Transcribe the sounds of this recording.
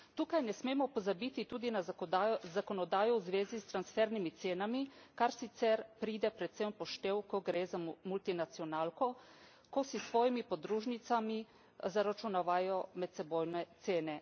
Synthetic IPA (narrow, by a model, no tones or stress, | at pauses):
t̪uːkajnɛsmeːmɔpɔzabit̪it̪uːd̪inazakɔnɔd̪aːjɔwuzʋeːzist̪ɾansfɛɾnimit̪seːnamikaɾsit̪sɛɾpɾiːd̪ɛpɾɛt̪sempɔʃt̪ewkɔɡɾeːzamult̪inat̪siɔnaːlkɔ | kosisʋɔːjimipɔd̪ɾuːʒnit̪sami | zaɾat͡ʃunaʋajɔmɛt̪sɛboːjnɛt̪seːnɛ